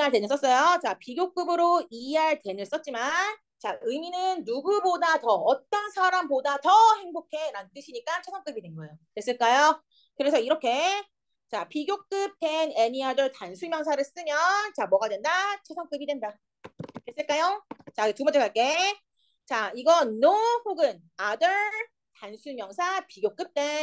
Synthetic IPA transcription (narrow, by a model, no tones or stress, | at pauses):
aɭtwe̞nɯs͈ʌs͈ʌjot͡ɕapiɡjok͈ɯbɯɾoiɦaɭtwe̞nɯɭs͈ʌt̚t͡ɕ͈iman | t͡ɕaɯminɯnːuɡubodatʌːt͈ʌnsʰaɾambodatʌhe̞ŋbokʰe̞ɾant͈ɯɕʰiɲik͈at͡ɕʰosʰʌŋk͈ɯbidwenɡʌeotwes͈ɯɭk͈ajo | kɯɾe̞sʰʌiɾʌkʰe̞ | t͡ɕapiɡjok̚k͈ɯp̚t͈ene̞ɲiadɯɭtansʰumjʌŋsʰaɾɯɭs͈ɯmjʌnnt͡ɕamʌɡadwe̞ndat͡ɕʰosʰʌŋk͈ɯbidwenda | kes͈ɯɭk͈ajot͡ɕatumʌnt͡ɕ͈ʰekaɭk͈e̞ | t͡ɕaiɡʌnːoɸoɡɯn | adɯɭ | tansʰumjʌŋsʰapiɡjok͈ɯp̚t͈e